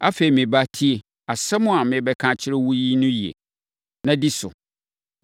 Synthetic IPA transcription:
a˦fe˨ɾi˨mɪ̃˨ba˦tʰi˦e˨ | a˨sɛ˦mʊ̃˦a˨mɪ̃˨bɛ˦kʰã˦t͡ɕʰɪ˦ɾɛ˦wu˦ji˦nʊ̃˦ji˨ḛ˨ | nã˦di˦sʊ̰˨

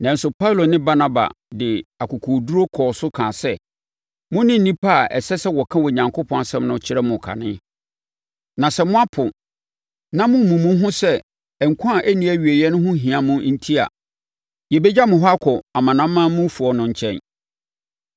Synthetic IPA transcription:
nã˨n˦sʊ˨pʰa˦u˨lo˨nɪ̃˦ba˦nã˦ba̰˨ | dɪ˨a˨kʰʊ˨kʰoː˨du˦ɾo˦kʰɔː˨sʊ˦kʰãː˨sɛ˦ | mʊ̃˦nɪ̃˦n̩˦nĩ˦pʰa˦˨ʔɛ̰˨sɛ˦sɛ˦wɔ˨kʰã˦wɔ˨ɲã˨ŋkʰʊ˦pʰɔ̃˦a˨sɛ̃˦mnʊ̃˦t͡ɕʰɪ˦ɾɛ˦mʊ̃˨kʰa̰˨nɪ̃˦ | nã˨sɛ˦mʊ̃˦a˦pʰʊ̃˨ | nã˦mʊ̃˦mũ˨mʊ̃˦ɦʊ̃˦sɛ˦ | ɛ˨ŋ̩˨kʰʊ̃˦a˨ʔæ˦nĩ˦˨æ˦ɥi˨e˨jɛ˦nʊ̃˦ɦʊ̃˦ɦĩ˨a˨mʊ̃˦n̩˦tʰi˦a̰˨ | jɛ˨bɛ˦d͡ʑa˦mʊ̃˨ɦwa˦kʰɔ˨a˨mã˨nã˦mːã˦mʊ̃˦fʊ˨ɔ˨nʊ̃˨ɲ̩˨t͡ɕʰɛ̰̃˦n

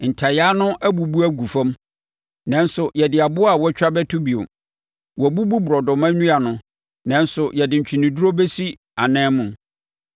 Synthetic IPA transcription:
n̩˨tʰa˨jaː˦nʊ̃˦ʔæ˦bu˨bu˦æ˦ɡu˨fã˦m | nã˨n˦sʊ˨jɛ˨dɪ˨a˨bʊ˦a˦˨wɔ˦t͡ɕᶣa˦bɛ˦tʰʊ˦bi˨o̰˨ | wɔ˨bu˦bu˦bʊ˨ɾɔ˨dʊ̃˨mã˦ɲũ˦a˨nʊ̃˨ | nã˨n˦sʊ˨jɛ˨dɪ̃˨ɲ̩˨t͡ɕᶣʰi˨nɪ̃˨du˦ɾo˦be˦si˦ | a˨nɛ̃ː˦mʊ̃˨n

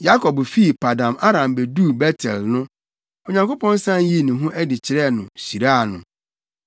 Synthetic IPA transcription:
ja˦kʰɔ˨bfi˦˨pʰa˨dã˨ma˦ɾã˨mbɛ˨duː˦˨bɛ˦tʰɛ̰˨lnʊ̃˦ | ɔ˨ɲã˨ŋko˦pʰɔ̃˦n˦sã˦nji˦˨nĩ˨ɦũ˦ʔɛ˦dɪ˨t͡ɕʰɪ˨ɾɛ˦nʊ̃˨si˨ɾa˦a˨nʊ̰̃˨

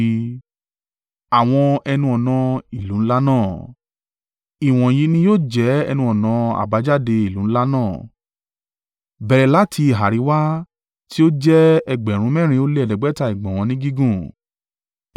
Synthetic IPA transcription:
a˨w̃ɔ̃˧ɛ˧nũ˧ɔ˨nã˨˧i˨lũ˨˦la˦nãː˦˨ | i˨w̃ɔ̃˨ji˨˧˦nĩ˧joː˦˨d͡ʒɛ˨˦ɛ˧nũ˧ɔ˨nã˨˧a̰˨ba˨˦d͡ʒa˦˨de˧i˨lũ˨˦n̩˦la˦nãː˦˨ | bɛ˨ɾɛ˨la˦tʰi˧i˨ɦa˨ɾi˨˦wa˦ | ti˦o˦d͡ʒɛ˦ɛ˧ɡ͡bɛ˨ɾ̃ũ˨˦mɛ̃˦˨ɾ̃ĩ˧o˦le˦ɛ˨dɛ˨ɡ͡bɛ˨˦ta˦˧i˨ɡ͡bɔ̃˨w̃ɔ̃˨˧nĩ˦ɡi˦ɡũ˦˨

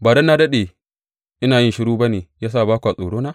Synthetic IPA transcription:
baː˨dɐ˦nːa˦dɐ˦ɗe˨ | ʔɪ˦naː˨jɪ˦ʃɪ˦ɽuː˦bɐ˦neː˨jaː˦saː˦˨baː˦kʷʔa˨sʼoː˨ɽoː˦naː˦

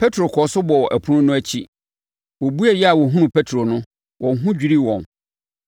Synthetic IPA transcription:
pʰɛ˦tʰɾo˨kʰɔː˨sʊ˦bɔ˨ɔ˨ʔæ̰˨pʰu˦nʊ̃˦nʊ̃˦æ˦t͡ɕʰi˦ | wɔ˨bu˦ɛ˨jɛ˦a˨wɔ˨ɦũ˦nʊ̃˨pʰɛ˦tʰɾo˨nʊ̃˦ | wʔɔ̃˨nɦũ˦d͡ʑᶣi˦ɾi˦wɔ̃˨m

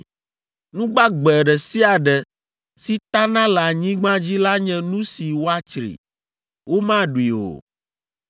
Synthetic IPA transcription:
nũ˦ɡ͡ba˦ɡ͡bɛ˨ɖɛ˨si˦a˨ɖɛ˨ | si˦t̪a˦nã˦la˨ɲĩ˦ɡ͡bã˦d͡ʑi˦la˦ɲɛ̃˦nũ˦si˨wo˦a˦t͡ʃɾḭ˨ | wo˦mã˦ɖu˨i˨o̰˨

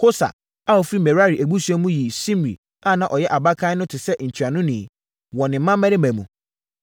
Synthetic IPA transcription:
kʰo˦sa̰˨ | a˦ɔ˨fɾi˦mɛ˨ɾa˦ɾi˨ʔæ˨ɡ͡bu˦su˦ɛ˦mũ˦ji˨sĩ˦m˨ɾḭ˨ | ã˦˨nã˨ʔɔ˨jɛ˦ʔa˨ba˦kʰã˦nʊ̃˦tʰɪ˨sɛ˦ɲ̩˨t͡ɕʰi˨ɾa˨nʊ̃˦nĩ˨ | wɔ̃˨nɪ̃˨m̩ː˦ã˦mɛ̃˦ɾɪ˦mæ̃˨mũ˨

